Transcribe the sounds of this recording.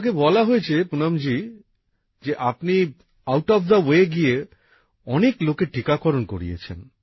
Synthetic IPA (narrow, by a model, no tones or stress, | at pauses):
ɡebɔlaɦoet͡ɕʰepunamd͡ʑi | d͡ʑeʔapni | awʈɔfd̪əweɡije | ɔneklokeʈikakɔɾonko̰ɾḭḛt͡ɕʰḛn